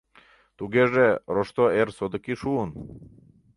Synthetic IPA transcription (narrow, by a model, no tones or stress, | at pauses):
t̪uɡeʒeɾoʃt̪oeɾsod̪əkiʃuun